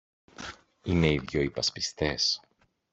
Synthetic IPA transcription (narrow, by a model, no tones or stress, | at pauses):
ine̞iðʝo̞ipɐspist̪e̞s